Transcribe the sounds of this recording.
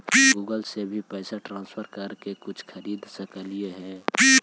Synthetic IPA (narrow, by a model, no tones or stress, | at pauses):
biɡuːɡəlsebʱipɛːsaʈɾãːnspʰəɾkɐɾkekʊt͡ʃʰkʰəɾiːd̪səkəlijeɦɛ̃ːbi